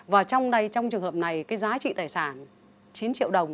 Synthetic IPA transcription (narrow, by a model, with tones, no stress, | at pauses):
vaː˨˩t͡ɕɔ˧wŋ͡mɗə˧jt͡ɕɔ˧wŋ͡mt͡ɕɨ˨˩əŋhəː˨˩p̚na˨˩jkaː˨˦jzaː˨˦t͡ɕḭ˧˨t̪aː˧˩jsaː˧˩n | t͡ɕi˨˦nt͡ɕḭ˧˨əwɗə˨˩wŋ͡m